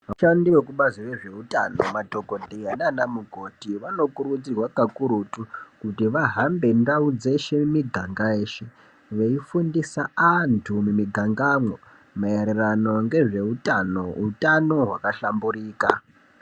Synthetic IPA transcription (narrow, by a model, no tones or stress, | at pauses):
ʋaʃandiwekuɓaziʋe̞ʐe̞uta̰no̞madʱo̞ko̞dʱeananamuɡʱo̞tiʋano̞kuɾud͡zirwakakuɾutukutiʋaɦambe̞ndaud͡ze̞ʃemiɡʱaŋɡaeːʃe | ʋeifundisaantʰumumiɡʱaŋɡamwo | maeɾerano̞ŋɡe̞ʐe̞utanoutano̞ɦwakaɬambuɾiːka̰